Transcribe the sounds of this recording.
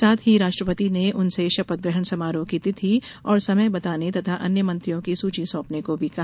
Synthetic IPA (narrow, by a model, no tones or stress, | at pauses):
aːt̪ʰɦiɾaːʃʈɾəpət̪ineʔʊnseʃɐpət̪̚ɡɾəɦəɽ̃sɐmaːɾõkiːt̪it̪ʰiɔːɾsɐməjbɐt̪aːnet̪ɐt̪ʰaʔɐnjəmɐ̃nt̪ɾijõkisuːt͡ʃisɔ̃ːpnekobʱikɐɦ